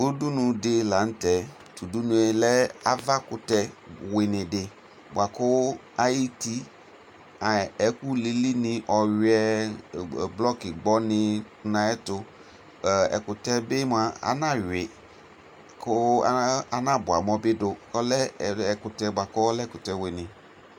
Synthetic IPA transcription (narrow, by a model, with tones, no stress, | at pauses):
u˦du˦nʊ̃˨dɪ˦la˨n̩˦tɛ˨ | tu˨du˦nu˦e˦lɛ˦a˨va˦kʊ˨tɛ˨wɪ˨nɪ̃˨dɪ˨ | bwa˨kʊ˦ | a˦ji˦ti˦ | a˨ɛ˦ku˦le˦li˦nɪ̃˨ʔɔ˨ɥɛ˦˨ | blɔ˦kɪ˨ɡ͡bɔ˦nɪ˦ | nã˨ɛ˦tʊ˨ | ɛ̰˨kʊ˨tɛ˦bɪ˦m˦a˨a̰˨˦nã˦ɥɪ˨ | kʊ˦a˦nã˦bʊ˨a˨mɔ˦bɪ˦dʊ˨ɔ˦lɛ˦˨ɛ˨kʊ˨tɛ˨bʷwa˨kʊ˦ɔ˦lɛ˦kʊ˨tɛ˨wɪ˨nɪ˨